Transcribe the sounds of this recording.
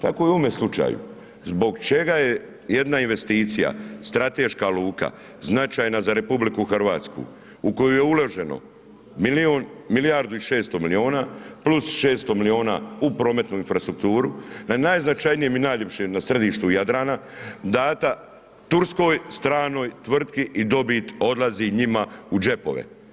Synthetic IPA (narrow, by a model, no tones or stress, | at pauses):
t̪a̰ko̞joome̞slˠut͡ʃa̰ːjṵ | zbo̞ɡt͡ʃe̞ɡaje | je̞d̪nainʋe̞st̪iːt̪sija̰st̪ɾat̪e̞ːʃkaluːka̰ | znat͡ʃaːjnazaɾe̞publikuxrʋa̰ːt̪skṵ | uko̞juje̞uloʒe̞no̞̰ | milionmilijaɾd̪uiʃe̞ːst̪o̞milio̞ːnaːplusʃe̞ːst̪o̞milio̞ːna̰upɾo̞ːme̞t̪nuinfɾast̪ɾuk̚t̪uːɾunanajznat͡ʃajnijeminajʎe̞pʃenasɾed̪iːʃt̪ujad̪ɾaːnad̪aːt̪a | t̪uɾsko̞ːjst̪ɾaːno̞ːjt̪ʋr̩t̪kiʔid̪o̞bit̪o̞d̪laziɲimaud͡ʒe̞po̞̰ʋḛ